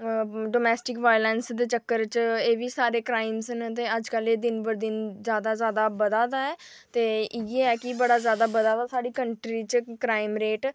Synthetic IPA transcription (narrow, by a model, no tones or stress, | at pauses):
ɖoːmɛːsʈɪkʋaːjlɛːnsd̪eːt͡ʃəkːəɾt͡ʃeːʋiːsaːɾeːkɾaːɪmsnt̪̬eːəd͡ʒkəleːd̪ɪnbəɾd̪ɪnzjaːd̪aːzjaːd̪aːbəd̪aːd̪aːɛː | t̪eːɪeːɛːkɪbəɽaːzjaːd̪aːbəd̪aːd̪aːsaːɽiːkəɳʈɾiːt͡ʃkɾaːɪmɾeːʈ